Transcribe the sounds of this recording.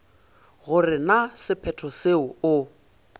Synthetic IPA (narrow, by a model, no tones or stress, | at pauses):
ɣʊrɪnasɪpʰɛtʰɔseʊʊ